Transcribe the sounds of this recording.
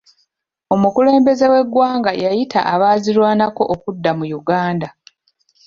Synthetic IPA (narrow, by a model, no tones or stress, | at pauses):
o̞mukule̞ːmbe̞ze̞we̞ɡːwaːŋɡajajita̰ʔaβaːzilwaːnako̞ʔokudːamujuɡaːnda